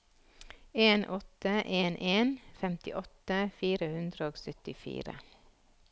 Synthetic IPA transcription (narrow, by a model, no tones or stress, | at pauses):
eːnʔɔt̪əʔeːnʔeːnfɛmt̪ɪ̰ʔɔt̪əfiːɾəhʉnd̪ɾəoːɡsœt̪ɪfḭːɾə̰